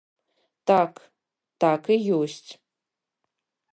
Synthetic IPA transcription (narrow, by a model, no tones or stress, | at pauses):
taːkʰ | taːkʰɨjowstʰ